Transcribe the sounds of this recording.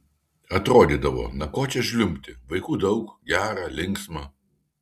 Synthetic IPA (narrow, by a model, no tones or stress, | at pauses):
ɐt̪ɾoːd̪ʲiːd̪ɐʋo̰ːnɐkoːt͡ʃʲɛʒʲlʲʊmʲt̪ʲɪʋɐɪkuːd̪ɐʊkɡʲæːɾɑːlʲɪŋksmɑ